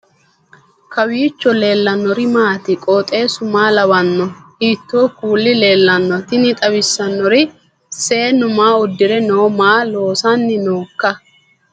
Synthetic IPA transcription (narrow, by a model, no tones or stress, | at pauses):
kɐwiːt͡ʃːɔle̞ːlːɐnːɔɾɪmaːt̪ɪkʼoːt̪ʼe̞ːsʊmaːlɐwɐnːɔiːt̪ːoːkuːlːɪle̞ːlːɐnːɔt̪ɪnɪt̪ʼɐwɪsːɐnːɔɾɪ | se̞ːnʊmaːʊd̪ːɪɾɛnoːmaːlo̞ːsanːɪnoːkːɐ